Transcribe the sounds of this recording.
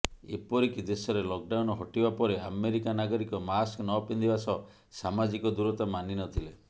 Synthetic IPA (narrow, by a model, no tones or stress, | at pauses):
ḛpɔɾikid̪esɔɾelɔk̚ɖawnɔɦɔʈibapɔɾeameɾikanaɡɔɾikɔmasknɔpind̪ibasɔ | samad͡ʒikɔd̪uɾɔt̪amaninɔt̪ʰile